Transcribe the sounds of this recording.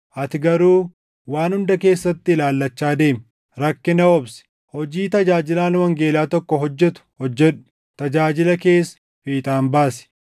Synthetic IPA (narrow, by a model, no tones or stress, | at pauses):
ʔɐt̪ɪɡɐɾuː | waːnhʊnd̪ɐke̞ːsːɐt̪ːɪɪlaːlːɐt͡ʃːaːd̪e̞ːm | ɾɐkːɪnɐwɔbsɪ̥ | hɔd͡ʒiːt̪ɐd͡ʒaːd͡ʒɪlaːnwɐŋɡe̞ːlaːt̪ɔkːɔɦɔd͡ʒːɛt̪ʊ̥hɔd͡ʒːɛᶑʊ̥ | t̪ɐd͡ʒaːd͡ʒɪlɐke̞ːsː | fiːt̪ʼaːmbaːsɪ̥